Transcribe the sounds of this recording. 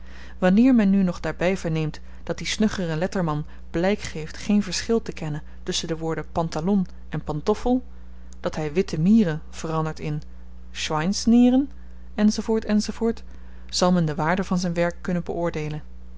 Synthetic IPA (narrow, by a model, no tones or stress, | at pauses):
ʋɑnɪːɹmɛnːynɔχdaːɹbɛjvəɹnejmt | d̥ɑt̚d̥isnøχərɛnlɛtəɹmɑn | b̥lɛjkχejftχejnvəɹsχɪlˠtəkɛnən | tɵsəndəʋʊːɹdəpɑntalɔn | ɛnpɑntɔfəlˠ | d̥ɑtɦɛjʋɪtəmiːrənv̥ərɑndəɹtɪn | ʃʋɑjnsnɪːrən | ɛnzovʊːɹtɛnzovʊːɹt | z̥ɑlˠmɛndəʋaːɹdəvɑnzɛjnʋɛɹkːɵnənbəʔʊːɹdejlən